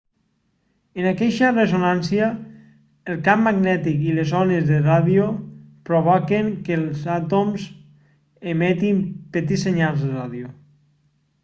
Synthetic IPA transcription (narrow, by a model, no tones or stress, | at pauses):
ənakɛʃəresonansiaː | lˠkamːaɡnɛt̪ikilezɔnezðəraðiopɾoβɔkeŋkəlˠzat̪omz | emɛt̪impet̪iseɲalˠzðəraðjo